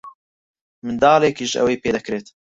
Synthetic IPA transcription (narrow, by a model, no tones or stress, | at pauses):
mɨnd̪ɑːleːkiʒʔɛ̰weːpeːd̪ɛkɾeːt̪